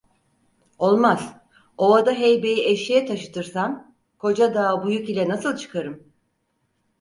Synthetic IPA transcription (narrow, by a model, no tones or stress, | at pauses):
o̞lˠmaz̥ | o̞ad̪aɦejbe̞jiʔeʃijɛt̪ʰaʃɯ̥t̪ʰɯɾsan | kʰo̞d͡ʒad̪aːbujukilʲɛnasɯlˠt͡ʃʰɯ̥kʰaɾɯm